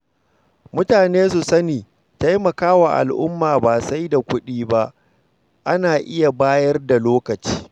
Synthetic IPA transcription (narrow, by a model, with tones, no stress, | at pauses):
mʊ˦taː˨neː˦su˨sɐ˦niː˨ | ta˦jmɐ˨kaː˦waː˨ʔa̰˨lʔʊ̰˦mːaː˨baː˨sa˦jda˨kʷʊ˦ɗiː˦ba˦ʔ | ʔa˦naː˨ʔɪ˦ja˨baː˦jɐ˦rda˨loː˦kɐ˨t͡ʃi̥ː˦